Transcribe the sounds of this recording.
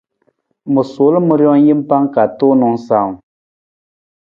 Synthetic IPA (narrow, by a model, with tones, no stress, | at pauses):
mɨ˨so˨˦lə˦mɨ˦ɾjɔ˦ŋ˦ji˦m˦pa˦ŋka˨to˦nɔ˨ŋsa˨